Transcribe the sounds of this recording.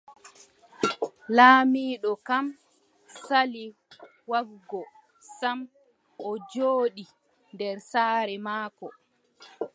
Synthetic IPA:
laːmiːɗɔkam | sali | waɡɡɔ | sam | ʔɔd͡ʒoːɗi | ndɛɾsaːɾɛmaːkɔ

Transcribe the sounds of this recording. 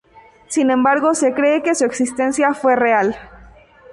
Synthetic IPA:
sinẽmbaɾɣo̞se̞kɾe̞ːke̞sueksist̪e̞nsjafwe̞real

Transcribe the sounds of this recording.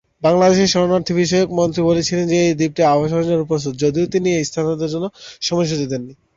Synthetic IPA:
baŋlad̪eʃeɾʃɔɾonaɾt̪ʰibiʃɔjokmont̪ɾibolet͡ɕʰilend͡ʑeejd̪ip̚ʈiabaʃ̬ɔɾd͡ʑaɾupos̬ut̪̚d͡ʑod̪iot̪iniejst̪ʰanod̪eɾd͡ʑonːoʃɔmojʃ̬ud͡ʑ̪id̪enːi

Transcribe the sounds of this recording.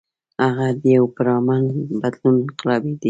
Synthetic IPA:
haɣad̪əjawpəɾɑmaŋbad̪lunqɪlɑbed̪i

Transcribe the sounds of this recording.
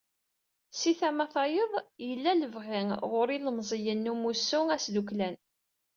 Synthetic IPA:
siθæmæθɑjəðˤjəlːæləvʁɪŋʁʊɾiləmzˤəjənːumusːʊŋæsd̪uklæn

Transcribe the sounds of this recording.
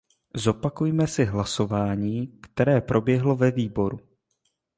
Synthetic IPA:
zo̞pakujmɛsɪɦlaso̞vaːɲiːkt̪ɛɾɛːpɾʔo̞bjɛɦlo̞vɛviːbo̞ɾu

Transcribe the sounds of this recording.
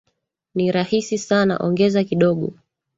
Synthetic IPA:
niɾahisisana̰ʔɔŋɡɛzakiɗɔɠɔ̰

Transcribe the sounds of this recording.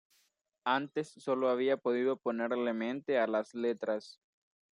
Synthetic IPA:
ant̪e̞sːo̞loaβ̞iapo̞ðiðo̞po̞ne̞ɾle̞mẽ̞nt̪ealasle̞t̪ɾas

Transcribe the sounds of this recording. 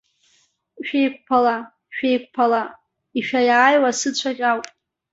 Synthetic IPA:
ʃᶣejkʷpʰala | ʃᶣejk̚ʷʰʼpʰala | iʃᶣajaːjwasɨt͡ɕʷʰaχʲʼawpʼ

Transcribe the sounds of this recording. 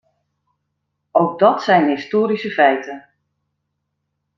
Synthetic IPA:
owɡ̚dɔtsɛjnɦɪstoːɾisəfɛjtən

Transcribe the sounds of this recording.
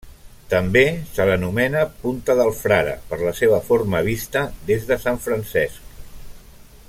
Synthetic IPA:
t̪əmbesələnumɛnəpunt̪əðəlˠfɾaɾə̰pəɾləseβ̞əforməβ̞ist̪əðezðəsaɱfɾənsɛsk̚

